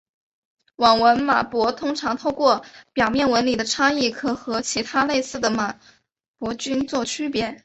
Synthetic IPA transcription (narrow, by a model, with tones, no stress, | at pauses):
wɑ˨˩ŋwə˧˥nma̰˨˩pwɔ˧˥t̪ʰʊ˥ŋʈ͡ʂʰɑ˧˥ŋt̪ʰo˥˧ʊkwɔ˥˩pjɑ˨˩ʊmjɛ˥˩nwə˧˥nli˨˩d̪ə˦ʈ͡ʂʰɑ˥ŋi˥˩kʰɤ˧˥xɤ˧˥t͡ɕʰi˧˥t̪ʰa˥le˥˧ɪsɹ̩˥˩d̪ə˩ma˨˩ | pwɔ˧˥t͡ɕy˥nt͡swɔ˥˩t͡ɕʰy˥pjɛ˧˥